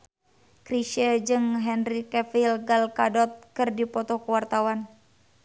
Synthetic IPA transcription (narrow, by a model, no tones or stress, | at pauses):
kɾiʃəd͡ʒɨŋɦɛnrikɛfilɡalkadɔt̪̚kɨrdipɔt̪ɔhkəwart̪awan